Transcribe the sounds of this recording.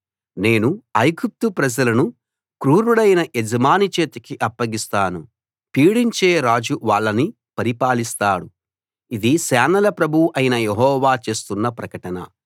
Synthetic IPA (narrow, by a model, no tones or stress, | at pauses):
ne̞ːnuɐjɡup̚t̪upɾɐd͡ʒɐlɐnu | kɾuːɾuɽɐjnɐʔed͡ʒɐmaːnit͡ʃe̞ːt̪ɐkiʔɐpːɐɡist̪aːnu | piːɽiɲt͡ʃeːɾaːd͡ʒuʋaːɭːɐni | pɐɾipaːlist̪aːɽu | id̪isɛːnɐlɐpɾɐbʱuʔɐjinɐjeɦɔːʋaːt͡ʃe̞ːst̪unːɐpɾɐkɐʈɐnɐ̰